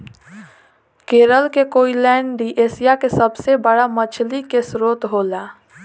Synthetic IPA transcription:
keːɾəlkekoːilɛ̃ːɳɖɖiːʔeːsijakesəbsebəɽamət͡ʃʰlikesɾoːt̪ɦoːlaː

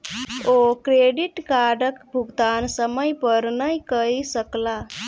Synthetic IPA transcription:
okɾeɖiʈkaɖəkbʱuɡt̪ansəməjpəɾnəjkəjsəkla

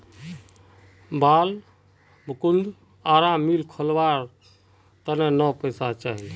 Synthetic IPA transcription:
baːl | bʱəkund̪ | aɾamːilkʰəlʋaɾ | t̪ənenəpəjsat͡ʃaɦil

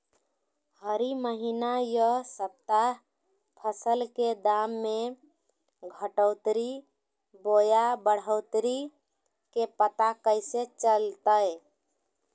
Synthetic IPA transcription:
həɾiməɦinajəsəp̚t̪a | pʰəsəlked̪amːe | ɡʱəʈəʊt̪ɾi | bojabəɽ̤əʊt̪ɾi | kepət̪akəɪset͡ʃəlt̪əj

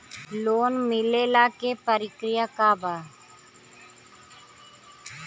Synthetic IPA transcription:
loːnmɪleːlaːkepəɾɪkɾɪjaːkaːbaː

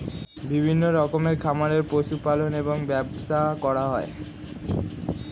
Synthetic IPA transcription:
bibʱinːoɾɔkomeɾkʰamaɾeɾpoʃupaloneboŋbɛbʃakɔɾaɦɔe

